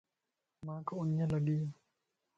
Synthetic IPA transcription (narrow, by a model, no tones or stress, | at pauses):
mãkoʊnjãləɡiː